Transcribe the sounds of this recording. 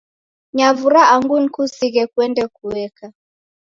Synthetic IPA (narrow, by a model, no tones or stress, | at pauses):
ɲavuɾaaŋɡun̩kusiɣɛkwɛndɛkuwɛka